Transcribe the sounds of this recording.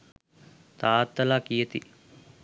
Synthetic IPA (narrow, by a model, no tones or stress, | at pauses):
t̪aːt̪ːɐlaːkijət̪ḭ